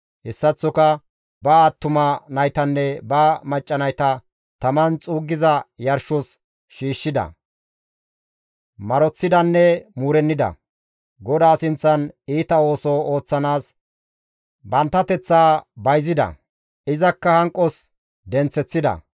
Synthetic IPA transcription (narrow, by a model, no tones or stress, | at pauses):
hɛsːɐt͡sːɔkɐ | bɐːt̪ːʊmɐnɐjt̪ɐnːɛbɐmɐt͡ʃʼːɐnɐjt̪ɐ | t̪ɐmɐnt͡sʼuːɡːɪzɐjɐɾʃɔs | ʃiːʃːɪd̪ɐ̰ | mɐɾɔt͡sːɪd̪ɐnːɛmuːɾɛnːɪd̪ɐ̰ | ɡɔd̪aːsɪnt͡sːɐniːt̪ɐo̞ːsɔo̞ːt͡sːɐnaːs | bɐnt̪ːɐt̪ɛt͡sːaːbɐjzɪd̪ɐ̰ | ɪzɐkːɐhɐŋkʼːɔs | d̪ɛnt͡sːɛt͡sːɪd̪ɐ̰